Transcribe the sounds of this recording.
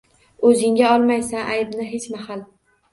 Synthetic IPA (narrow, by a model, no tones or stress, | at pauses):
ɵzɪŋɡʲaɒlˠmajsaʔajbnɪɦe̞t͡ʃmahal